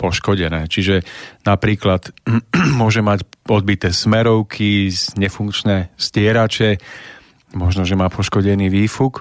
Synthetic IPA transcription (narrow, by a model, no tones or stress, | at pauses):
pɔʃkɔɟɛnɛːt͡ʃiʒɛnapɾiːklat̪mʊɔʒɛmacɔd̪̚bit̪ɛːsmɛɾɔʊkʰizɲɛfuŋkt͡ʃnɛːstɪɛɾat͡ʃɛ | mɔʒnɔʒɛmaːpʰɔʃkɔɟɛniːʋiːfuk